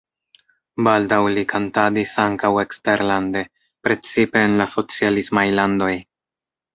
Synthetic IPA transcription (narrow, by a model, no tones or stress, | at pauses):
baldawlikʰantadisaŋkawe̞kste̞ɾlande̞ | pɾe̞t͡sipe̞ːnlaso̞t͡sialismajlando̞j